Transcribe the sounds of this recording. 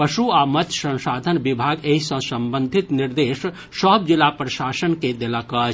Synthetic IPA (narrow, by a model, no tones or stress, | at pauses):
pəʃuamət̪jsə̃nsaːd̪ʱənbibʱaɡeɦisə̃səmbə̃nd̪ʱit̪niɾd̪eːʃ | səb̚d͡ʒilapɾəʃaːsənked̪elakət͡ʃ